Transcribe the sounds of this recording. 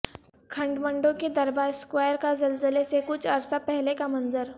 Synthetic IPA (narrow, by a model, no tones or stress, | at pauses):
kʰɐ̃ɳɖmə̃ɳɖõked̪ɐɾbaːɾskwaːjəɾkazɐlzəlesekʊt͡ʃʰɐɾsapɛɦlekamɐnzəɾ